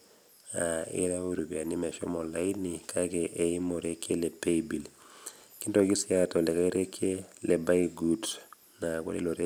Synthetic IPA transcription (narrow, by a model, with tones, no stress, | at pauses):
a˨ḭ˦ɾa˦u˦ɾu˨bi˨a˨ni˦mɛ˨ʃɔ̰˦mɔ˨la˦inikʰa˦kɛʔe˨i˦mo˨ɾe˦kʰe˦lɛ˨peibi˨l | ki˦ndo˨ki˦siatɔ˨lɛ˨ka˦i˦ɾe˦kʰːe˦lɛ˨ba˦iɡud | na˨ko̰˦lḭ˦lo˨ɾe˦